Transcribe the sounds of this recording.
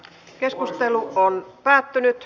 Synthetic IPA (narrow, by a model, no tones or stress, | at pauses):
ke̞skust̪eluonpæːt̪ːynyt̪